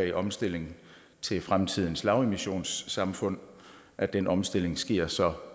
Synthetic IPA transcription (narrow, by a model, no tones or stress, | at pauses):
iʔɒ̽msd̥e̝l̰e̝ŋ | t͡sʰe̝lfʁamt͡sʰið̞̰ˠn̩slɑ̈ʊe̝miɕo̝̰ːnsːɑ̈mfɔ̽n̰ | ʔæd̥enɒ̽msd̥e̝l̰e̝ŋsɡ̥e̝ɐ̰sɒ̽